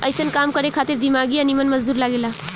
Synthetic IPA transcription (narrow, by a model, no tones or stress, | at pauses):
ə̰jsənkamkəɾekʰat̪iɾd̪imaɡiənimənməzd̪uɾlaɡela